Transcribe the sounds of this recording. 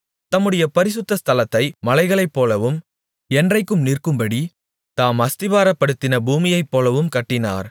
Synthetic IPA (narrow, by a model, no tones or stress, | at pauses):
t̪ɐmːɯɽɐjɐpɐɾɪs̬ɯt̪ːɐst̪ɐlɐt̪ːɐɪmɐlɐɪɣɐɭɐɪpːoːlɐʋɯm | ɛndrɐɪkːɯmnirkɯmbɐɽi | t̪aːmɐst̪ɪʋaːɾɐpːɐɽɯt̪ːɪnɐbuːmɪjɐɪpːoːlɐʋɯmkɐʈːɪna̰ːɾ